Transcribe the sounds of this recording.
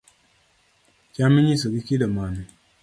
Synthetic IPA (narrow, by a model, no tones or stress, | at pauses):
kʲamiɲisəɡikidamani